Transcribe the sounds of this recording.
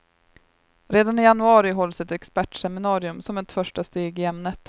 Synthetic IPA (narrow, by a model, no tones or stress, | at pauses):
ɾeːd̪anɪjanɵɑːɾɪɦɔlːsɪt̪ɛkspæʈʂɛmɪnɑːɾɪɵmsɔmɛt̪fœʂʈast̪eːɡɪɛmnət̪